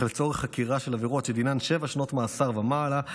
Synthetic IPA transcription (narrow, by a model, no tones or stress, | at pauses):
let͡so̞ʁeχakiʁaʃe̞laviʁo̞tʃed̪inanʃe̞vaʃno̞tmaːsaʁvamaːla